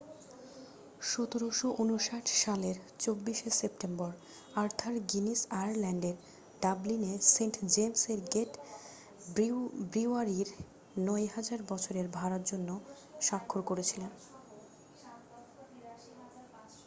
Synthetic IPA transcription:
ʃɔt̪oɾoʃoʔunuʃaʈʰʃaleɾt͡ɕobːiʃesepʈembɔɾ | aɾt̪ʰaɾɡinisajaɾlɛɳɖeɾ | ɖablineseɳʈd͡ʑemseɾɡeʈ | bɾiaɾiɾ | nɔeɦad͡ʑaɾbɔt͡ɕʰoɾeɾbʱaɾaɾd͡ʑonːo | ʃakʰːoɾkoɾet͡ɕʰilen

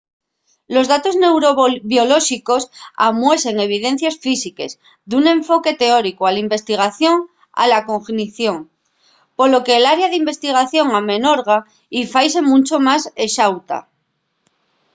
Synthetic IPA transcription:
lo̞zðat̪o̞znewɾoβjo̞lo̞ʃiko̞sa̰mwe̞se̞ŋe̞β̞iðe̞n̟θjasfisike̞̰z | ðunẽ̞ɱfo̞ke̞t̪e̞o̞ɾikoalimbe̞st̪iɣ̞aθjo̞ŋ | a̰lako̞ŋxniθjo̞ŋ | po̞lo̞ke̞ːlaɾjaðimbe̞st̪iɣ̞aθjo̞ŋamẽ̞no̞ɾɣ̞a | ifajse̞mũnt͡ʃo̞maseʃawt̪a̰

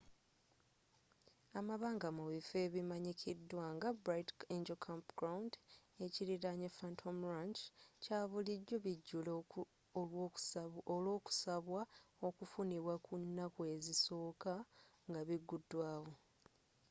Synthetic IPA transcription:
amaβaːŋɡamuβife̞βimaɲikʰidːwaːŋɡabɾajteɲd͡ʒelkʰampɡ̥ɾawunde̞ciɾiɾaɲefantʰomɾaɲt͡ʃcaːβuliɟːo̞βiɟːulo | oloːku̥saβwaokufuniβwakunːakue̞ziso̞ːkaŋɡaβiɡːudːwaːwo̞

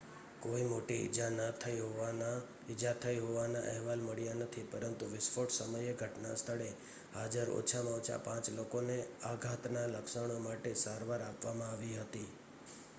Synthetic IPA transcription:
koimoʈiɪ̰d͡ʒanət̪ʰəjɦo | ɪd͡ʒat̪ʰəjɦoʋanaʔɛɦʋalməɭijanət̪ʰipəɾənt̪uʋɪsfoʈsəməjeɡʱəʈna̰st̪ʰəɭe | had͡ʒəɾo̰t͡ʃʰamãot͡ʃʰa̰pãt͡ʃlokoneaɡʱat̪naləksəɳ̃omaʈesaɾʋaɾapʋamãaʋiɦət̪i

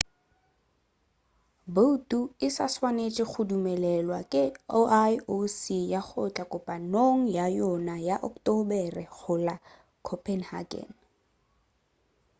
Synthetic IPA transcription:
botʼuɪsaswanet͡ʃʼɪk͡xʰʊdumɛlɛlwakʼɪoʔajosijaχʊt͡ɬʼakʼʊpʼanoŋ̩jajɔnajaʔɔktɔbɛrɪχʊla | kʰɔpʰʼɛnha̰ɡɛ̰n

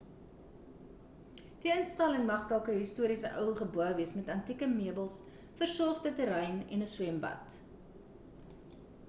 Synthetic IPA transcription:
d̥iənstɐləŋmɐχdælˠkəɦistuəɾisəʔœwχəbuəviəsmɛtɐntikəmiəbəlˠs | fərsɔrtətəɾɛjnɛ̰nəswɛmbɐ̰t

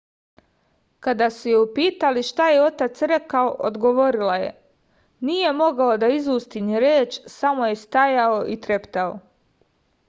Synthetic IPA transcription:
kad̪asujeupiːt̪aliʃt̪aje̞o̞t̪at̪sɾe̞kaoʔod̪ɡoʋo̞ɾilaje̞̰ | nije̞mo̞ɡao̞d̪aizuːst̪iniɾeːt͡ʃsamo̞je̞st̪ajao̞ʔit̪ɾe̞pt̪ao̰

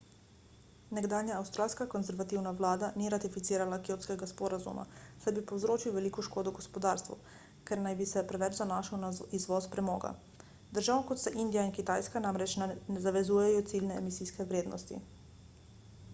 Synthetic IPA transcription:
nɛɡd̪aːnjaːwst̪ɾaːlskakɔnzɛɾʋat̪iwnaʋlaːd̪aniɾat̪ifit̪siːɾalakiowskɛɡaspɔːɾazṵma̰sajbipɔwzɾoːt͡ʃiwʋɛlikɔʃkoːd̪ɔɡɔspɔd̪aːɾst̪ʋṵ | kɛɾnajbisɛpɾɛʋɛt͡ʃzanaːʃawnaizʋɔspɾɛmɔ̰ːɡa̰ | d̪əɾʒawnkɔt̪sɛʔind̪ijainkit̪ajskanamɾɛt͡ʃnɛzaʋɛzuːjɛjɔt̪silnɛɛ̰misiskɛʋɾeːd̪nɔ̰st̪ḭ

